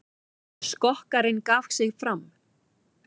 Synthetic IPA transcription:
skɔhkaɾɪnkaːfsɪɣfɾam

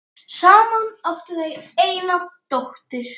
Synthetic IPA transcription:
saːmanœht̪ʏθejeːjnat̪oht̪ɪɾ̥

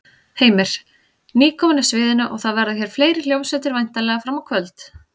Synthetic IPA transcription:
heːjmɪɾ̥ | niːkʰɔmanɪsvɪːðɪnʏʔɔɣθaðvɛɾðʏçɛɾ̥fleːjɾɪl̥jowsɛt̪ɪɾvajn̥t̪alɛɣafɾamawkʰvœlt̪

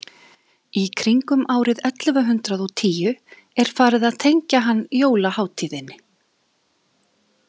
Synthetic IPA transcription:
ikʰɾiŋkʏmʔaːwɾɪðɛt̪lvaɦʏnt̪ɾaðɔt̪ʰiːjʏ | ɛɾ̥faːɾɪðaðt̪ʰejɲcaɦanːjoːwlahaːwt̪ʰiːðɪnːɪ

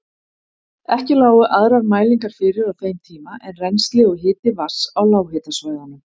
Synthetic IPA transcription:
ɛhcɪlaːwʏʔaðɾaɾmaːjliŋkaɾ̥fɪːɾɪɾawθejmt̪ʰiːmaʔɛnrɛnst̪lɪɣʏɦɪːt̪ɪvḁsawlaːwhɪːt̪asvaːjðanʏm

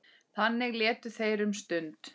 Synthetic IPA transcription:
θanːɪɣlɛːt̪ʏθejɾʏmst̪ʏnt̪

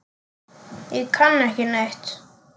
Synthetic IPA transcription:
ikʰanːɛhcɪneht̪

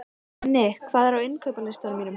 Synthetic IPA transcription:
nejkʰvaːðɛɾawɪnkʰœɥpalɪst̪aɾmiːnʏm

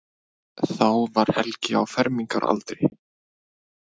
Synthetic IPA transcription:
θawvaɾ̥hɛlcɪawfɛɾmiŋka̰ɾʔa̰lt̪ɾɪ

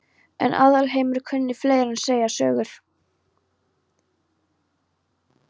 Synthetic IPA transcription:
ɛ̰nʔa̰ðalɦeːjmʏɾ̥kʰʏnːɪfleːjɾanseːjasœ̰ːɣʏɾ̥

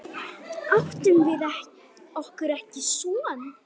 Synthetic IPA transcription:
aft̪ʏmvɪðɛ | ɔhkʏɾɛhcɪsɔːn

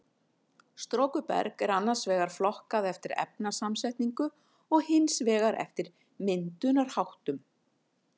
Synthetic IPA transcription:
st̪ɾoːwkʏpɛ̰ɾkɛɾanːḁsvɛːɣaɾ̥flɔhkaðɛft̪ɪɾɛ̰p̚nasamsɛjht̪niŋkʏ | ɔɣhɪnsvɛːɣaɾɛ̰ft̪ɪɾ | mɪnt̪ʏnaɾ̥hawht̪ʏm

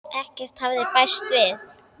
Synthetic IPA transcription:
ɛhcɛr̥t̪havðɪpajst̪vɪð

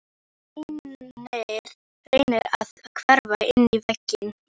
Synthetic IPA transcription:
ineɾ̥ | ɾeːjnɪɾaðkʰvɛɾvaɪnːivɛcːɪn

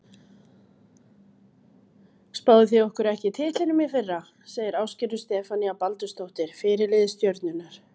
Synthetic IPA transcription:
spaːwðʏθjɛɔhkʏɾɛhcɪt̪ʰɪːt̪ɪnʏmifɪrːa | seːjðɪɾaːwscɪɾʏst̪ɛːfaniapalt̪ʏst̪owht̪ɪɾ̥fɪːɾɪlɪðɪst̪jœɾt̪nʏnːaɾ̥

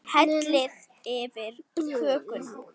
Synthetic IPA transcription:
hɛt̪lɪð | ɛvɪɾkʰœːkʏn

